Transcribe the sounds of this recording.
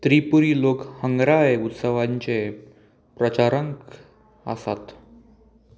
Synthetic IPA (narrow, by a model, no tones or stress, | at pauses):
t̪ɾipuɾiːlokhəŋɡɾajut̪səʋaɲt͡ɕe | pɾət͡ɕaɾəŋk | ə̰sat̪